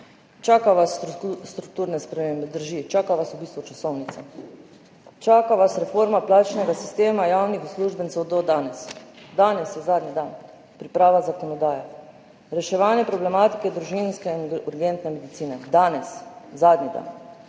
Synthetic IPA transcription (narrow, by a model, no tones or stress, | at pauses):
t͡ʃaːkaʋasst̪ɾuk̚t̪uːɾnɛspɾɛmeːmbɛd̪əɾʒit͡ʃaːkaʋasubiːst̪ʋut͡ʃasɔwnit̪sa | t͡ʃaːkaʋasɾɛfoɾmaplaːt͡ʃnɛɡasi̥st̪eːmajaːwnixusluːʒbənt̪ɛwd̪ɔd̪aːnɛsd̪aːnɛsjɛzaːd̪nid̪an | pɾipɾaːʋazakɔnɔd̪aːjɛ | ɾɛʃɛʋaːnjɛpɾɔblɛmaːt̪i̥kɛd̪ɾuʒinskɛinuɾɡent̪nɛmɛd̪it̪siːnɛd̪aːnɛszaːd̪nid̪a̰n